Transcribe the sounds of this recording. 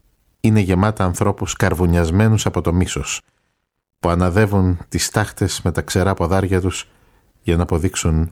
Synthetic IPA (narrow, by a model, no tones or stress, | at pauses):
ine̞ʝe̞mɐt̪ɐːnθɾo̞puskɐɾvuɲɐzme̞nusɐpo̞t̪o̞miso̞s | puɐnɐðe̞vunt̪ist̪ɐxt̪e̞sme̞t̪ɐkse̞ɾɐːpoðɐɾʝɐt̪us | jɐnɐːpo̞ðiksun